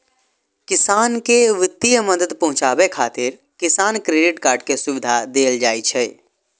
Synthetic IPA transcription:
kɪsaːnkeʋɪt̪ːijəməd̪əd̪pɐɦʊ̃t͡ʃaːbekʰaːt̪ɪɾ | kɪsaːnkɾeːɖɪʈkaːɾɖkesʊʋɪd̪ʱad̪eːld͡ʒaːit͡ʃʰɛː

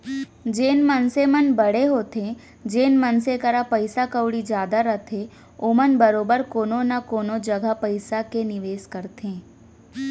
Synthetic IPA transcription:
d͡ʒeːnmənsemənbəɽ̤eɦoːt̪ẽ | d͡ʒeːnmənsekəɾapəɪsakəwɽid͡ʒjaːd̪aɾət̪ʰe | omənbəɾoːbəɾkoːnõnakoːnod͡ʒəɡʱapəɪsakenɪʋeːskəɾt̪ʰẽː

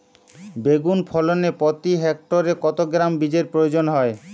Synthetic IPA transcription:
beɡunpʰɔlonepɔt̪iɦɛk̚ʈoɾekɔt̪oɡɾambid͡ʑeɾpɾojod͡ʑonɦɔe

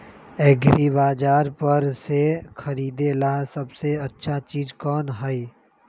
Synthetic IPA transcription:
ɛːɡʱɾiʋaːd͡ʒaːɾpəɾsekʰɐɾiːd̪elasɐbseɐtːʃʰat͡ʃiːd͡ʒkɔːnɦəi

